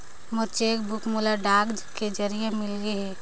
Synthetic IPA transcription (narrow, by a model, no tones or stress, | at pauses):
mət͡ʃeːkbʊkmulaɖaːɡd͡ʒked͡ʒɐɾijemɪlɡeɦɛː